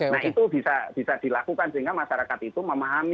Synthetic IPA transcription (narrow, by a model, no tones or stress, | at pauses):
nahit̪ub̥isab̥i̤sad̪̥i̤lakukansiŋɡamaʃaɾakat̪̚it̪uməmaɦami